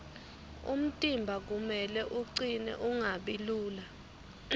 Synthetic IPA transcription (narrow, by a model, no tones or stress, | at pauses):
ṵm̩tʼimbʱak̬umɛlɛʔuǀinɛ̰ʔuŋaɓiluːla